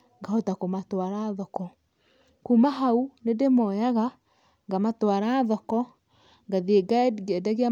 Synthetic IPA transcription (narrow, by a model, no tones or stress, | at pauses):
ŋɡahotakomatwaɾaðɔkɔ | kumaɦaunedemɔjaɣa | ŋɡamatwaɾaðɔkɔ | ŋɡaðieɡadɡɛdaɣea